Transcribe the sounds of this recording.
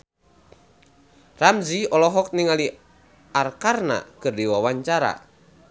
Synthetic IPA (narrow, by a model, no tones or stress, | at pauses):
ramziɔlɔɦɔk̚niŋali | arkarna̰kɨrdiwawaɲt͡ʃaɾa̰